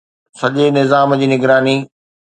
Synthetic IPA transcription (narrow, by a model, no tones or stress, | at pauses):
sɐʄenɪzaːmd͡ʑiːnɪɡɾaːniː